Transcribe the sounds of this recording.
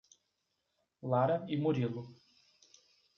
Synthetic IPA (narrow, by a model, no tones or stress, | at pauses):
laɾɐimoɾilʊ